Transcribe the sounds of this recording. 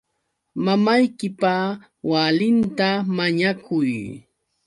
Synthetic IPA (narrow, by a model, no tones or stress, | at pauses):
mamajkɪpa | walɪnt̪amaɲakʰʊj